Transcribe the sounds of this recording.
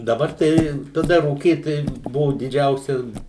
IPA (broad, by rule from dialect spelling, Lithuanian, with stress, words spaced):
dɐˈbɐr ˈtɐɪ tɐˈdɐ ruːˈkʲiːt tɐɪ ˈbʊʋʊ dʲɪˈd͡ʒʲɛʊsʲɛs